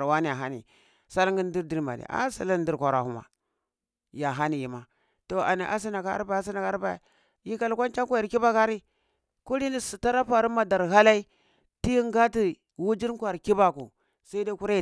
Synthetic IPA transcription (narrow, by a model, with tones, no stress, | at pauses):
ɾwa˦ni˦ja˨ɦa˦nḭ˨ | sa˦lŋɡi˦n˦di˦ɾdi˦ɾma̰˨nḭ˨a̰˦sa̰˨la˦n˦di˦ɾkʷa˨ɾa̰˨hu˦ma̰˨ | ja˨ɦa˦ni˨ji˨ma˨ | to˨a̰˨ni˨ʔa˦s̬i˦na˨ka˨a̰˦ɾba˨a˦s̬i˦na˨ka˦ɾba̰˨ | ji˦ka˨lkʷa˦nt͡ʃa˦ŋkʷa˦a˨ɾki˦ba˦ka˦ɾi˦ | ku˦ɾi˦ni˦si˨ta˦ɾa˦pa˨ɾi˦ma˨da˨ɾɦa˦la˦i˦ | ti˦jŋ˦ɡa˦ti˦ | wu˦d͡ʒi˦ɾkʷa˨ɾki˦ba˨kṵ˨ | sa˦i˦da˦ku˦ɾa˦˨